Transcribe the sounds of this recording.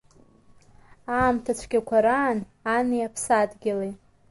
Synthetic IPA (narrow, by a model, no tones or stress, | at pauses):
aːmtʰat͡ɕʷʰɡʲakʷʰaɾaːn | anijapʰsadɡʲɪle